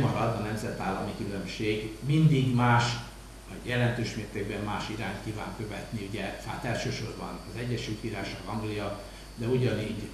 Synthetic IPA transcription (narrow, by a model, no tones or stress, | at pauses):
mɒɾɒd̪ɒnɛmzɛt̪aːlːɒ̰mikylømʃeːɡmind̪iɡmaːʃ | ɒɟjɛlɛnt̪øːʃmeːrt̪eːɡbɛmːaːʃiɾaːnt̪kiːva̰ːŋkø̞vɛ̰t̪niuɟɛa̰ːt̪ɛlʃøːʃorbɒ̰nɒzɛɟːɛʃylt̪ʋiɾaːʃɒzɒŋɡlijɒ | d̪ɛuɟɒniːɟ